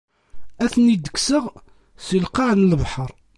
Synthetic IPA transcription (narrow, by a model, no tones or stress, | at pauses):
æθənid̪ə̥ksəʁ | səlqɑʕnlvħəɾˤ